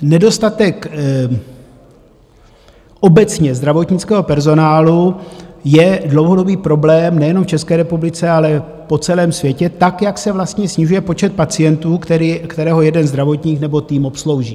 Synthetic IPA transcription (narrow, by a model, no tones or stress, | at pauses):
nɛdo̞st̪at̪ɛk | ʔo̞bɛt͡sɲɛzd̪ɾavo̞t̪ɲɪt͡skɛːɦo̞pɛɾzo̞naːlujɛdlo̞wɦodo̞biːpɾo̞blɛːmnɛjɛnomft͡ʃɛskɛːɾɛpublɪt͡sɛalɛ | po̞t͡sɛlɛːmsvjɛcɛt̪akjaksɛvlast̪ɲɛsɲɪʒujɛpo̞t͡ʃɛt̪̚pat͡sɪjɛnt̪uːkɛɾikt̪ɛɾɛːɦo̞jɛdɛnzd̪ɾavo̞t̪ɲiːknɛbo̞t̪iːmo̞pslo̞wʒiː